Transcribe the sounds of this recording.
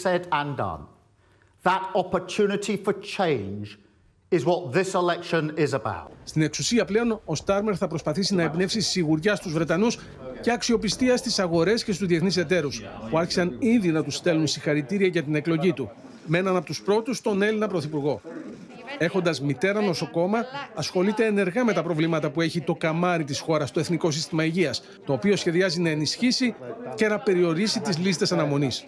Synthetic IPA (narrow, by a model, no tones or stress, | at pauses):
sɛdə̃ndʌ̰̃n | ðətɒpə˞tʰʉnɪtʰifət͡ʃʰẽɪ̃nd͡ʒ | ɪzwɒt̪̚ðɪsɪlɛkʃə̃nɪzəba̰ʊt̚st̪ine̞ksusiɐple̞o̞no̞st̪ɐɾme̞ɾθɐpɾo̞spɐθisinɐepine̞fsisiɣuɾʝɐst̪uzvɾe̞t̪ɐnus | ce̞ɐksio̞pist̪iɐst̪isɐɣo̞ɾe̞scest̪uzðieθnise̞t̪e̞ɾuspuɐɾçi̥sɐninðinɐt̪ust̪e̞lunsixɐɾit̪iɾiɐʝɐt̪ine̞klo̞ʝit̪u | menɐnɐpo̞t̪uspɾo̞t̪ust̪o̞ne̞linɐpɾo̞θipuɾɣo̞ | e̞xo̞nd̪ɐzmit̪e̞ɾɐno̞so̞ko̞mɐːsxo̞lit̪e̞ːne̞ɾɣɐme̞t̪ɐpɾo̞vlimɐt̪ɐpue̞çit̪o̞kɐmɐɾit̪̬isxo̞ɾɐst̪o̞e̞θniko̞sist̪imɐiʝiɐs | t̪o̞ːpio̞sçe̞ðiɐzinɐe̞nisçisice̞nɐpe̞ɾio̞ɾisit̪izlist̪e̞sɐnɐmo̞nis